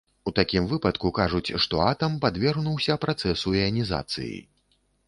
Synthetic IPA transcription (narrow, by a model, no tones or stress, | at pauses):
ut̪akʲimvɨpɐt̪kukaʐut͡sʲʂt̪ɔat̪ɐmpad̪vʲɛrɣnuwsʲɐpɾat̪sɛsuɛɐnʲiza̰t̪sɨ̰jḭ